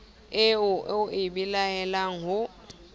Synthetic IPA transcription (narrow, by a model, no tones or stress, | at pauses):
ɪʊʊʔɪbilaɛlaŋ̩ɦʊ